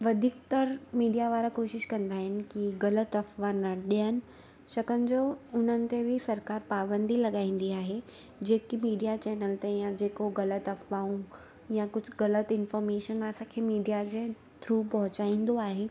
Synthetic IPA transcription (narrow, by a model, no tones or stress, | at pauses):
ʋɐd̪ʱiːk̚t̪ɐɾmiːɖijaʋaːɾakoːʃɪʃkɐ̃nd̪aːɦɪnɪ̆kiɣɐlət̪ɐfʋanɐɗijənɪ̆ | ʃɐkənɪ̆d͡ʑoʊn̤ənɪ̆t̪ebʱɪsɐɾkaːɾpaːbə̃nd̪ilɐɠaːĩːn̆d̪iaːɦe | d͡ʑeːkimiːɖijat͡ɕɛːnəlt̪ejãd͡ʑeːkoɣɐlət̪ɐfʋaːũ | jãkʊd͡ʑʱɣɐlət̪ɪnfɔːɾmeːʃənɐsãkʰeːmiːɖijad͡ʑe | t̪ʰɾuːpɐɦʊt͡ɕaːĩːnd̪oaːɦeː